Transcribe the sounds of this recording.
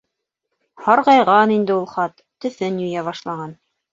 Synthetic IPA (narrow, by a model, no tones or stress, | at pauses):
hɑɾqɑjʁɑnind̪ɘulˠχɑt̪ːɵ̆θɘnjɵ̆jæβɑʃlˠɑʁɑn